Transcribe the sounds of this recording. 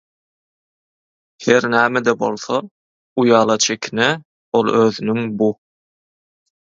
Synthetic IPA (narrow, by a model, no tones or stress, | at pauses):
heɾnæːmed̪ebo̞̰lˠθo | ujɑːlˠɑt͡ʃʰekʰʲine | o̞lˠøːðynyŋbu